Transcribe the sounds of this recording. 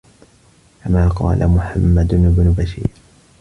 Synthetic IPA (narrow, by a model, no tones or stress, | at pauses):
kamaːqɑ̰ːlʔa̰mʊħamːad̪ʊnɪbnʊbaʃiːɾ